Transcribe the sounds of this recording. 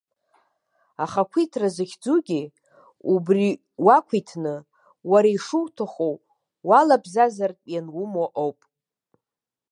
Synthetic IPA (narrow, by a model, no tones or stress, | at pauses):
aχakʷʰitʰrazɨχʲd͡zuɡʲi | ubri | wakʷʰitʰnɨ | waɾaiʂuwtʰaχow | walabzazartʼjanwumoʔowpʼ